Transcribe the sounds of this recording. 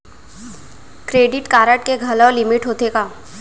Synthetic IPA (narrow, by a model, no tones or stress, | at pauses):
kɾeːɖɪʈkaːɾəʈkeɡʱɐlolɪmɪʈɦoːt̪ekaː